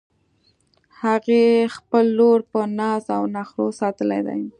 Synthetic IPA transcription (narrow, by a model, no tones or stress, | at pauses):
haɣexpəlːoɾpənɑzawnaxɾosɑt̪əlajd̪a̰j